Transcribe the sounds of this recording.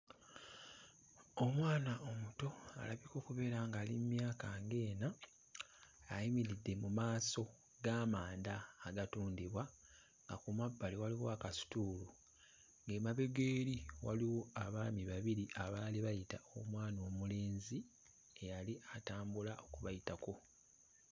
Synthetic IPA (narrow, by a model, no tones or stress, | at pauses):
o̞mwaːnaʔo̞muto̞a̰laβiko̞ːkuβe̞ːɾaŋɡaːlimmjaːkaŋɡe̞ːna | jimiɾidːe̞mumaːso̞ | ɡaːmaːndaːɡatuːndiβwa | ŋɡa̰kumabːaliwaliwoakasi̥tuːlu | ŋɡeːmaβe̞ɡeːɾiwaliwo̞aβaːmiβaβiɾiʔaβaːliβajitaomwaːnoːmuleːnzi | ejaliʔataːmbulao̞kuβajitako̞